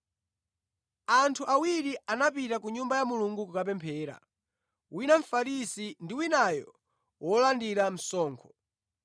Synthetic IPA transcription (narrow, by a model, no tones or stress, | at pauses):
antʰuʔawiɾianapitakuɲumbajamuluŋɡukukap̬ɛmpʰɛːɾa̰ | winaɱ̩faɾisindiwinajɔ | wɔlandiɾam̩sɔːŋkʰɔ̥